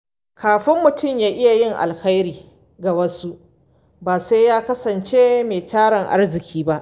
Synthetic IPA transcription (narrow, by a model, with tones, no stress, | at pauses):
kʰaː˨ɸɪ˦mːʊ˨tʊ˦˨mjaː˦ʔɪ˦ja˨jɪ˦ŋʔa̰˨lxa˦jɾiː˨ | ɡa˨wɐ˦su˦ʔ | baː˨sa˦jjːaː˦kɐ˦sɐ˨nt͡ʃeː˦meː˨taː˦ɽɪ˨ŋʔa̰˦rzɪ˨kʲʰiː˦ba˦ʔ